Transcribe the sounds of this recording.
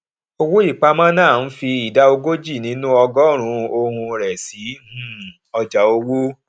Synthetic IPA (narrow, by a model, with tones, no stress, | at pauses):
o˧wu˦i˦˨k͡pa˧mã˦nãː˦˨n̩˦fi˧i˨da˦o˧ɡo˦d͡ʒi˦˨nĩ˨˦nũ˦ɔ˧ɡɔ˦ɾ̃ũ˧o˧hũ˧ɾɛ˨si˨˦˨ | ɔ˧d͡ʒa˨o˧wu˦